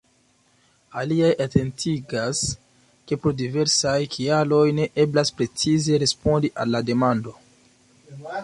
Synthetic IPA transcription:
aliajʔatʰe̞ntʰiɡas | ke̞pɾodive̞ɾsajkʰialo̞jne̞ʔe̞blaspɾe̞t͡size̞ɾe̞spo̞ndiʔalːade̞mando̞

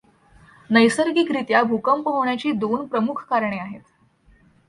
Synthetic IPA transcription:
nəjsəɾɡikɾit̪jabʱukəmpəɦoɳjat͡ɕiːd̪onpɾəmukʰkaɾɳeaɦet̪

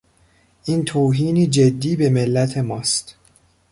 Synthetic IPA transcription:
ʔiːnt̪ʰoːɦiːniːd͡ʒed̪ːiːbe̞me̞lːæt̪ʰe̞mɒːst̪

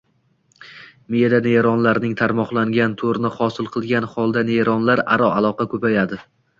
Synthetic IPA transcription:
mɪjad̪aneɾɒnlaɾnɪŋt̪ʰaɾmɒqlˠaŋɡʲant̪ʰoɾnɪχɒsɪlˠqʰɨlˠɡʲanχɒlˠd̪aneɾɒnlaɾa̰ɾɒalˠɒqɑkʰɵpajad̪ɪ

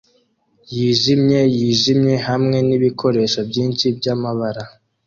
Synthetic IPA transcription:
jiːʒimɲe̞jiːʒimɲe̞hamŋe̞niβikʰo̞ɾe̞ʃabɟiːnʃibɟamaβaɾa

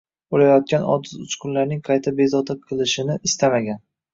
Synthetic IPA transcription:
olajɒt̪̚kʲanɒ̰d̪ɪzʊt͡ʃkʰʊnlaɾnɪŋqʰɑjt̪ʰabezɒt̪aqʰɨlˠɪʃɪnɪʔɪst̪amaɡʲan

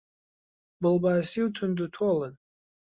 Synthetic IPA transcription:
bɨlbaːsiutʰʊndutʰolan

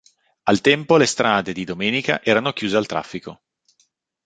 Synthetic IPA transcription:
alt̪ɛmpolest̪ɾʔaːd̪ed̪id̪omɛːnika̰ʔɛːɾanokjuːzealt̪ɾa̰fːiko

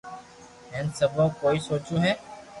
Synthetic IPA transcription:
ẽːnsəbʱõːkoːiːsoːt͡ʃõːɦɛː

